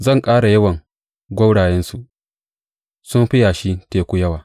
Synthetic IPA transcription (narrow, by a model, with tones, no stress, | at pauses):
zɐ˦˨ŋkʼaː˦ɽa˨jɐ˦wɐ˨ŋ | ɡʷɐ˦wɽaː˨jɛ˦nsu˨ʔ | sʊ˦mɸɪ˦jaː˨ʃi˦teː˨kʷuː˦jɐ˦waː˨